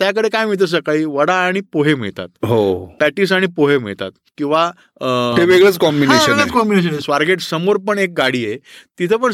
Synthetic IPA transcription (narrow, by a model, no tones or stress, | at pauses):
t̪jakəɽekajm̤iɭt̪̬əs̬əkaiːʋəɽaːɽ̃ipoɦem̤ḭɭt̪a̰t̪ɦopɛʈiːs̬aɽ̃ipoɦem̤ḭɭt̪a̰t̪kĩw̃ʋa | t̪eʋeɡɭeət͡skɔmbineɕəɡɭet͡skɔmbineɕ̬ənesʋaɾɡeʈsəmoɾpəɳek̚ɡaɽiːjet̪it̪ʰep̬əɳ